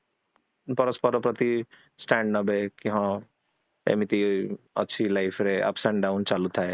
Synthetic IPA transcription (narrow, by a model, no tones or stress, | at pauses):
pɐɾəspəɾɔpɾət̪i | sʈɛ̃ɳɖnɐbʱekĩɦã | ḛmit̪i | ɐ̰tːʃʰilaɪfʰɾeʔɐ̰psẽɳɖɖaʊnt͡ʃalut̪ʰae